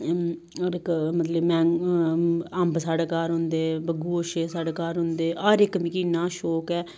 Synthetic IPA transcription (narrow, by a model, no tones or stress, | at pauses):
ɾɪkmət̪ləbmɛ̃ː | əmbsaːɖeːkaːɾɦʊ̃nd̪eːbəɡuːoʃeːsaːɽeːkaːɾɦʊ̃nd̪eːʔɔɾɪkmikinːaːʃoːkɛː